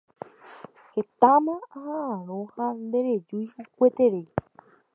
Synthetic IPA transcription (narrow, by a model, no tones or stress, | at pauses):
het̪ãmãaɦaãɾ̃õhand̪eɾed͡ʒujhukʷet̪eɾej